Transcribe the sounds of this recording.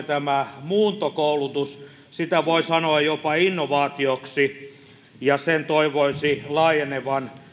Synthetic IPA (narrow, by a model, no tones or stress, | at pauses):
t̪æmæmuːnt̪okoulut̪us | sit̪æʋoisɑnoɑjjopɑinːoʋɑːt̪ioksi | jɑsent̪oiʋoisilɑːjeneʋɑn